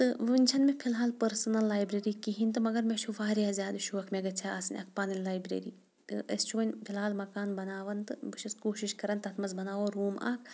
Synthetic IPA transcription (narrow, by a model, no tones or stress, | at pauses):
t̪ɨʋɨnʲt͡ʃʰɐnmẽpʰilɦaːlpɐɾsɐnɐlːaːjbɾeɾikiɦint̪ɨmɐɡɐɾmet͡ʃʰuʋaːɾjaːzjaːd̪ʃʰuːɐkʰmeɡɐt͡ʃʰaaːsɐnʲɐ̰k̚ʰpaːnillːaːjbɾḛːɾḭː | t̪ɨɐ̰st͡ʃʰonʲpʰilɦaːlmɐkaːnbɐnaːʋɐnt̪ɨbɨt͡ʃʰiskoːʃiʃkɐɾɐnt̪ɐt̪ʰmɐzbɐnaːʋoɾuːma̰ːkʰ